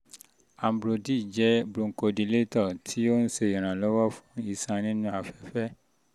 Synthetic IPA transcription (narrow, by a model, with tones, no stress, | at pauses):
a˨m˨bɾo˨di˦˨d͡ʒɛ˦bɾũ˧ŋ̩˨ko˧dĩ˧le˦tɔ˦˨tʰi˦o˦n̩˦se˧˨ĩ˨ɾ̃ã˨lɔ˦wɔ˦fũ̥˦i˧sã˧nĩ˦nũ˦a˧fɛ˨fɛ˦